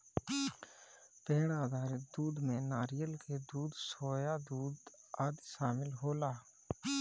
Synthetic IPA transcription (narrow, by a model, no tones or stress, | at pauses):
peːɽaːd̪ʱaːɾɪd̪uːd̪mẽnaːɾɪjəlked̪uːd̪soːjad̪uːd̪aːd̪ʃaːmɪlɦoːlaː